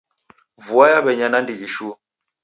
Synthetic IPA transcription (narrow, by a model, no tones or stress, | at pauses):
vuajaɓɛɲanandiɡiʃu